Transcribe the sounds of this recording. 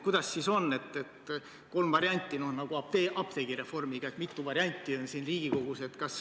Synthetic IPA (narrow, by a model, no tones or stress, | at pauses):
kujd̪̥ɑsːiso̞nːe̞t̪ːˑe̞t̪ | ko̞lmvɑɾjɑnʲt̪ʲːˑino̞hnɑɡ̥uɑp̚t̪eʔɑpt̪e̞ɡiɾe̞fo̞rmiɡ̥ɑet̪mit̪ːˑuvɑɾiɑnʲt̪ʲːˑio̞nsiːnriːɡ̥iko̞ɡ̥use̞t̪kɑs